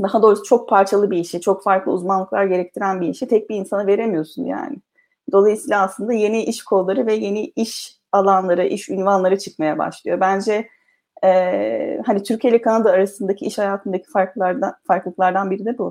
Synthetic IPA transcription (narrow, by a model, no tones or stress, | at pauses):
d̪aɦad̪o̞ɾusɯ̥t͡ʃʰo̞k̚pʰaɾt͡ʃʰalˠɯbiiʃit͡ʃʰo̞kfaɾklˠɯ̰uzmanlˠɯklˠaɾɟe̞ɾɛc̚t̪ʰiɾænbiiʃit̪ʰɛc̚biːnsanɯve̞ɾe̞mijo̞sunja̰ːnɪ | d̪o̞lˠajɯsiːlʲˠaːslˠɯnd̪aje̞niʔiʃkʰo̞lˠːaɾɯvɛje̞niiʃ | alˠanlˠaɾɯʔiʃynvanlˠaɾɯt͡ʃʰɯ̥kmajaba̰ʃlˠɯjo̞bænd͡ʒɛ | ɛːhanit̪ʰyɾcʰelʲɛkʰanad̪aːɾasɯnd̪acʰiiʃhajaːt̪ʰɯnd̪acʰi̥faɾk̪ˠfaɾklˠɯklˠaɾd̪anbiɾid̪ɛbu